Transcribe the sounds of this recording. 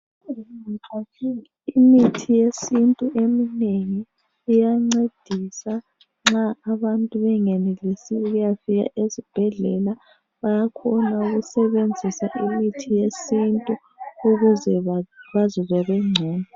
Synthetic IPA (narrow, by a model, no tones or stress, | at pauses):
a | imitʰijesintʼuʔemineŋiː | jaŋ͡ǀed̥ʱisa | ŋ͡ǁaːβantʼuβɛŋɛnelisiuɣujafiɣa̰ʔezib̥ʱɛɮɛla | βajakʰɔnauɣusɛβend͡zʱisaʔimitʰijesintʼu | uɣuzɛβazɔβɛβɛŋ͡ǀʱɛːna